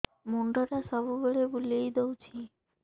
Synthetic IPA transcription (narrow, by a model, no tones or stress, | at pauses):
moɳɖɔɾasɔbuboɭebulejd̪owt͡ɕʰi